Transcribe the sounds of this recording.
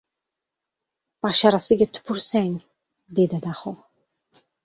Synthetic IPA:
paʃaɾasiɡɛt̪ʰpʰuɾsɛŋ | d̪ɛd̪ad̪aχɔ

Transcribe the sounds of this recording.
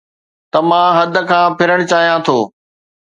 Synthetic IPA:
t̪ɐmãːɦɐd̪̆ʱkʰãːpʰɪɾəɽ̃t͡ɕaːɦijãt̪ʰoː

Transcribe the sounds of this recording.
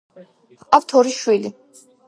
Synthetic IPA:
apt̪ʰɔɾiʃwili

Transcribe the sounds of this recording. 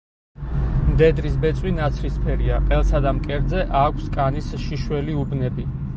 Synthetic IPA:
md̪ɛd̪ɾisbɛt̪sʼwinat̪sʰɾispʰɛɾiaqʼɛlˠsad̪amkʼɛɾd̪zɛʔaːkʷʰskʼanisʃiʃwɛliubnɛbi

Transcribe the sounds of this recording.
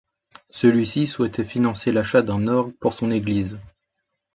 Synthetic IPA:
səlɥisiswɛt̪ɛfinɑ̃selaʃad̪ɛ̃nɔʁpuʁsɔ̃neɡliz

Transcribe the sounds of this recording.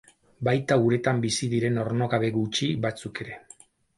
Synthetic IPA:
bajt̪aɣuɾe̞t̪ambisiðiɾe̞no̞ɾno̞ɣaβe̞ɣut͡ʃibat͡suke̞ɾe̞

